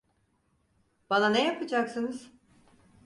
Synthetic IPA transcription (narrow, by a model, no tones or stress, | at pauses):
b̥ananejapʰɯd͡ʒaksɯnɯz̥